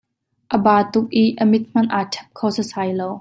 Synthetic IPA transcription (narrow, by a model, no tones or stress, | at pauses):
ʔəbaːt̪ʊk̚ʔiʔʔəmɪt̪̚m̥ɐnʔaːtʰɛ̥p̚kʰowsəsaːjlow